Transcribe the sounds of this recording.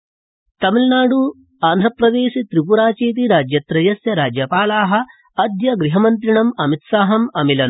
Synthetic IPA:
t̪ɐmilnaːɽu | aːnd̪ʱɾɐpɾɐd̪eːʃit̪ɾip̬uɾaːt͡ʃeːt̪̬iɾaːd͡ʒjɐt̪ɾɐjɐsjɐɾaːd͡ʒjɐpaːlaːɦɐ̆ | ɐd̪jɐɡɾiɦɐmɐnt̪ɾiɳɐmɐmit̪saːɦɐmɐmilɐn

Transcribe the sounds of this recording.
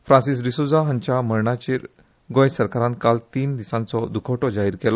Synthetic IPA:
fɾãnsis̬ɾisud͡zaɦə̃ɲt͡ɕaməɾɳat͡ɕiːɾ | ɡõjsəɾkaɾãnt̪kalt̪iːnd̪isãnt͡sɔd̪ukʰɔʈɔd͡ʑaɦiːɾkɛlɔ

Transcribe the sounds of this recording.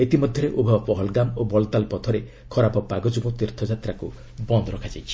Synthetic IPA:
et̪imɔd̪ʱjɔɾeʔubʱabɔpɔɦɔlɡamobɔlt̪alpɔt̪ʰɔɾe | kʰɔɾapɔpaɡɔd͡ʒubot̪iɾt̪ʰɔd͡ʒat̪ɾaku | bɔnd̪ɔɾɔkʰad͡ʒajt͡ʃʰi̥

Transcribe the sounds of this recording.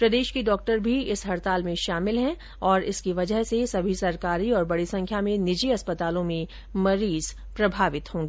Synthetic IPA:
pɾɐd̪eːʃkiɖɔːk̚ʈəɾbʱiɪsɦɐɾt̪aːlmẽʃaːmɪlɦɛ̃ | ɔːɾɪskiʋɐd͡ʒəɦsesɐbʱisɐɾkaːɾiɔːɾbɐɽisɐ̃ŋkʰjamẽnɪd͡ʒiɐspɐt̪aːlõmẽ | mɐɾiːz̥ | pɾɐbʱaːʋɪt̪hõːŋɡiː

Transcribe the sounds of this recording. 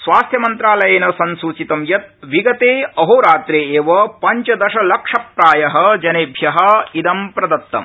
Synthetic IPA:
sʋaːst̪ʰjɐmɐnt̪ɾaːlɐjeːnɐsɐnsuːt͡ʃit̪ɐmjɐt̪̚ʋiɡɐt̪eːɐɦoːɾaːt̪ɾeːeːʋɐpɐɲt͡ʃɐd̪ɐʃɐlɐkʂɐpɾaːjɐɦɐ̆d͡ʒɐneːbʱjɐɦɐid̪ɐmpɾɐd̪ɐt̪ːɐ̰m

